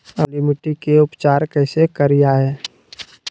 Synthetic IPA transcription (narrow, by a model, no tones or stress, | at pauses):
əlimɪʈikeʊpt͡ʃaːɾkəɪsekəɾijaɦɛː